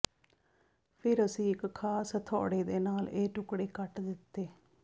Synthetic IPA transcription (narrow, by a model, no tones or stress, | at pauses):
pʰɪɾəsĩːɪkkʰːaːsət̪ʰɔ̰ːɽeːd̪eːnaːleːʈʊkɽeːkəʈd̪ɪt̪ːeː